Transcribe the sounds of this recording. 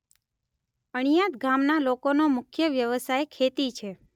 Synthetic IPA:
əɳ̃ijat̪ɡʱamnalokonomʊkʰjəʋjəʋəsajkʰet̪it͡ʃʰe

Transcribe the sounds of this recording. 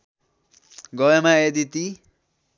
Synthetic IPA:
ɡʌemaed̪it̪i

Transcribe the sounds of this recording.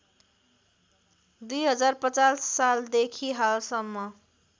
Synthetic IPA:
d̪ujɦʌd͡zarpʌt͡sasːald̪ekʰiɦalsʌmːʌ

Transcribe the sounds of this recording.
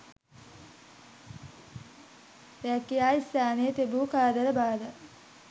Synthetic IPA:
eakːeaːist̪aːnejət̪ebuːkaːd̪əɾəbaːd̪ə

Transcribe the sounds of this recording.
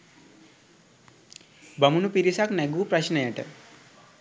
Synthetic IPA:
bɐmunupiɾisakneɡuːpɾɐɕnəjɐʈə̰

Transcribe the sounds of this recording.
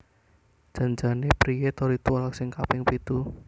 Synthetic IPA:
ʒ̥a̤nd͡ʒa̤nepɾijet̪ɔɾit̪ualaksɪŋkapɪŋpit̪u

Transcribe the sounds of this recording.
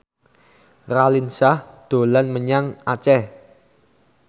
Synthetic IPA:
ralinsahd̪̥o̤lanməɲaŋat͡ʃɛ

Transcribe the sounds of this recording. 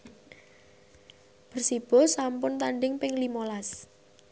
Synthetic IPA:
b̥ərsib̥ɔ̤sampʊnt̪anɖɪŋpɪŋlimolas

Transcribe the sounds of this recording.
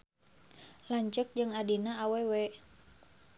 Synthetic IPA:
laɲt͡ʃək̚d͡ʒɨŋadinaːwewɛ

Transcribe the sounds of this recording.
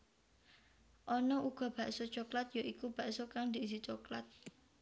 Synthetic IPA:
ʔɔnɔʔuɡ̥ɔ̤b̥ä̤ʔsot͡ʃoklat̪joʔikub̥a̤ʔsokaŋd̪i̤is̬it͡ʃoklat̪̚

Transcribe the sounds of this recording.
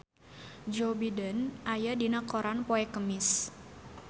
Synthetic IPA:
d͡ʒobidənʔajadinakoɾanpoɛkəmɪs

